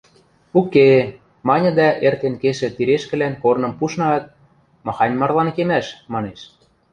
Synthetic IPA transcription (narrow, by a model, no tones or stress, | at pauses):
uke | mɑnʲɤ̆d̪æʔert̪enkeʃĕt̪iɾeʃkɘ̆lænkornɤ̆mpuʃnɑt̪̚ | mɑ̆xɑnʲmɑrlˠɑnkemæʃmɑneʃ